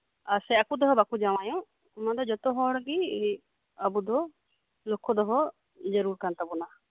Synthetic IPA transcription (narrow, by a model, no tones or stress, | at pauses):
aɾsɛakud̪ɔɦɔbakud͡ʒaw̃ajɔ̃ | unad̪ɔd͡ʒɔt̪ɔɦɔɽɡi | abud̪ɔ | lokʰːɔd̪ɔɦɔ | d͡ʒəɾuɾkant̪abɔna